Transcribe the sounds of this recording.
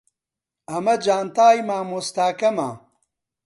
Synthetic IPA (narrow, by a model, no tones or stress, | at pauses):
ɐmɐd͡ʑaːnt̪aːjmaːmust̪aːkɐma̰ː